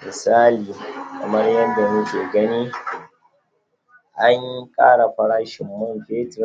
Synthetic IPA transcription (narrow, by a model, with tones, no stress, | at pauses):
mɪ˨saː˦liː˨kɐ˨mɐ˦rjɐ˦da˨mʊ˦kʲeː˨ɡɐ˦niː˦ | ʔa˦ɲji˦kʼaː˦ɽa˨ɸɐ˦ɽaː˦ʃɪ˨mːʊ˦mbeː˦t